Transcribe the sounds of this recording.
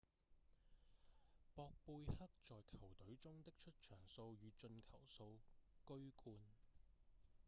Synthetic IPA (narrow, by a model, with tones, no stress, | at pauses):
pɔː˧k̚puː˧jhɐ˥k̚t͡ʃt͡sɔː˨jkʰɐ˨˩wt̪ɵ˨˥ɥt͡sʊ˥ŋt̪ɪ˥k̚t͡ʃʰɵ˥t̚t͡ʃʰœː˨˩ŋso˧wjyː˨˧t͡ʃɵ˧nkʰɐ˨˩wso˧wkɵ˥ɥkʰuː˧n